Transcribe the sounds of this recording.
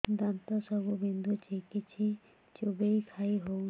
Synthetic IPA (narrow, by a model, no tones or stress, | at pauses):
d̪ant̪ɔsɔbubʱind̪ʱut͡ʃʰekit͡ʃʰi | t͡ʃobejkʰaiɦow